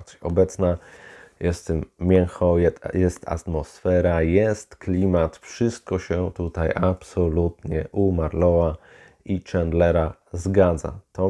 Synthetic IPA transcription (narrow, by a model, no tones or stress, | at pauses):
ɔbɛt̪snajɛst̪ɛmmʲjɛŋxɔjɛjɛst̪a̰t̪mɔsfɛɾajɛst̪klʲimat̪fʂɘst̪̚kɔɕɛt̪ut̪ajʔapsɔlut̪ɲɛ̰ʔumaɾlɔwa | it͡ʂɛnd̪lɛɾa | zɡad̪za̰t̪ɔ